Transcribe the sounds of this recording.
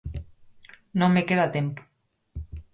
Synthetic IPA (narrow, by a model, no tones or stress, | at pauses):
nomekeðat̪empu̥